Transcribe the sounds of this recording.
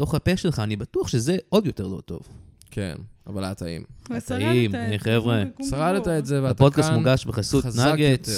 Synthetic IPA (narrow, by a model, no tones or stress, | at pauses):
to̞χhapeʃelχaːnibatuaχʃezeʔo̞djote̞ʁlo̞̰t̪o̞̰v | kʰḛnavalaat̪aḭmataimaniχevʁesaʁalet̪aetzeveapodkat̪muɡaʃbeχasutnaɡet̪